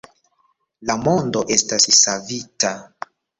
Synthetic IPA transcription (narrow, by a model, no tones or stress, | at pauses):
lamo̞ndo̞ʔe̞stassavita